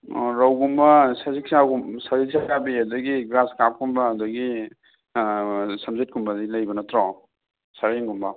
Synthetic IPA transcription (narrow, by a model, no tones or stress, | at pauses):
ɾawɡumbɐsɐziksaɡumsɐziksaabiɐdɐɡiɡɾaskap̚kumbɐːdɐɡi | sɐmzet̚kumbɐdilɐjbɐnɐtɾa | sɐɾeŋɡumbɐ